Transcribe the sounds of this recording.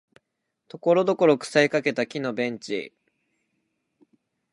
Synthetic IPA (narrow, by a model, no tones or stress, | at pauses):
t̪o̞ko̞ɾo̞d̪o̞ko̞ɾo̞kɯ̥saikake̞t̪akʲinobẽ̞ɲ̟t͡ɕḭ